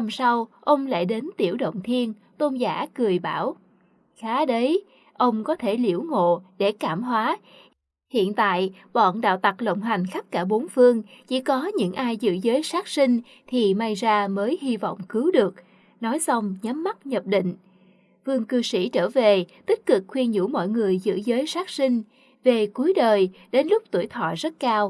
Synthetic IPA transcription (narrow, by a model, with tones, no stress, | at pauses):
a˨˧msa˧wʔə˧wŋ͡mla̰ː˧˩jɗe˨˦nt̪i˧˩əwɗə̰˧˨wŋ͡mt̪ʰi˧ən | t̪o˧nzaː˧˥kɨ˨˩əjɓaː˧˩w | xaː˨˦ɗə˨˦j | ʔə˧wŋ͡mkɔ˨˦t̪ʰe˧˩li˧˩əwŋo̰˧˨ɗe˧˩kaː˧˩mhwaː˨˦ | hḭ˧˨ənt̪a̰ː˧˨j | ɓɔ̰˧˨nɗa̰ː˧˨wt̪a˨˩k̚lə̰˧˨wŋ͡mɦa˨˩jŋ̟xa˦˥k̚kaː˧˩ɓo˨˦nfɨ˧əŋt͡ɕḭ˧˩kɔ˨˦ɲɨ̰˧˥ŋʔaː˧jzɨ̰˧˥zəː˨˦jsaː˦˥k̚si˧ŋ | t̪ʰi˨˩ma˧jzaː˧məː˨˦jhi˧vɔ̰˧˨wŋ͡mkɨ˨˦wɗɨ˨˩ək̚ | nɔ˨˦jsa˧wŋ͡mɲa˨˦mːa˦˥t̚ɲə˨˩p̚ɗḭ̈˧˨ŋ̟ | fɨ˧əŋkɨ˧sḭ˧˩t͡ɕəː˧˩ve˨˩t̪ï˦˥k̟̚kɨ˨˩k̚xwi˧ənɲṵ˧˩mɔ̰˧˨jŋɨ˨˩əjzɨ̰˧˥zəː˨˦jsaː˦˥k̚sï˧ŋ̟ | ve˨˩ku˨˦əjɗəː˨˩j | ɗe˨˦nlʊ˦˥k͡p̚t̪u˧˩əjt̪ʰwɔ̰˧˨zə˦˥t̚kaː˧w